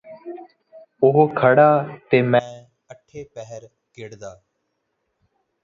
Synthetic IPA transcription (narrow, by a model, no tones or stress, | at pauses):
ʊɦokʰəɽaːt̪eːmɛ̃ː | əʈʰːeːpɛɦəɾ | kɪɽd̪aː